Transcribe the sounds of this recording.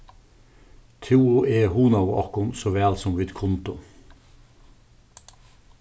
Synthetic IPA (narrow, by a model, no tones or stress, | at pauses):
t̪ʰuːʊʔeːhuːnɑʋʊʔɑkʊnsoːʋæːlsɔmʋiːd̪kʰʊnt̪ʊ